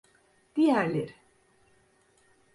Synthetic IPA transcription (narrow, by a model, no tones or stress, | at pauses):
d̪̥ijæɾlʲeɾ